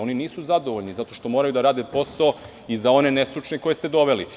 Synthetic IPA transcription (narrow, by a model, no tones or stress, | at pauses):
o̞niniːsuzad̪o̞ʋoʎnizat̪o̞ʃt̪o̞moːɾajud̪aɾaːd̪epo̞sao | izao̞ne̞ne̞sɾut͡ʃneko̞jest̪ed̪o̞ʋe̞li